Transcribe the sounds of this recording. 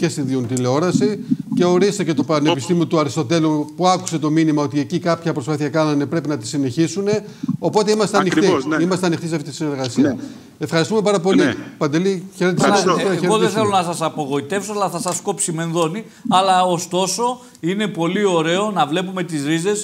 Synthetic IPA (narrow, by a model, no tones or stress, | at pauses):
ce̞st̪inðiont̪ileo̞ɾɐsice̞o̞ɾist̪ece̞t̪o̞pne̞pist̪imio̞t̪uɐɾist̪o̞t̪e̞lupuɐku̥se̞t̪o̞minimɐo̞t̪ie̞cikɐpçɐpɾospɐθiɐkɐnɐne̞pɾe̞pinɐt̪i̥sine̞çisune̞ | o̞po̞t̪eimɐst̪eɐnixt̪iimɐst̪eɐnixt̪iseɐft̪it̪i̥sine̞ɾɣɐsiɐ | e̞fxɐɾist̪umepɐɾɐpo̞lipɐnd̪eliçe̞ɾet̪essoçeɾɣoðeθelo̞nɐsɐsɐpoɣo̞it̪e̞fsoɐlɐθɐsɐsko̞psime̞nðo̞ni | ɐlɐost̪o̞so̞ | ine̞po̞lio̞ɾe̞o̞nɐvle̞pume̞t̪izɾize̞s